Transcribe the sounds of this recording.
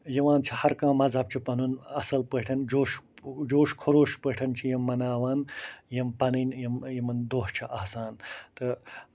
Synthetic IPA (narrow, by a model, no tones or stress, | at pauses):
jiʋaːnt͡ʃʰihɐɾkãːmɐzɐb̚t͡ʃʰipɐnunɐsɐlpɐʈʰɐnd͡ʒoːʃd͡ʒoːʃkʰoɾoːʃpəʈʰɐnt͡ʃʰijɐmːɐnaːwaːnjɐmpɐnɐnjimjimɐnd̪oːht͡ʃʰɐʔɐhsaːnt̪ɨ